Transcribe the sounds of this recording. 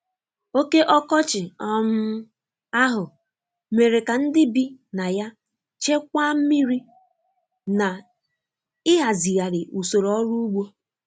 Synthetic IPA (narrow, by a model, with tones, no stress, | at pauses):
o˦ke˦ʔɔ˦kɔ˦t͡ʃɪ˨ɔ˦m̩˦ | a˦ɦʊ˨ | me˨ɾe˨ka˨n̩˦dɪ˦bi˦na˨ja˦ | t͡ʃe˦kʷa˦m̩˦mi˦ɾi˦ | na˨ | ɪ˦ɦa˨zi˨ɣa˨ɾɪ˨ʔu˨so˨ɾɔ˦ɾu˦u˦ɡ͡bʷo˦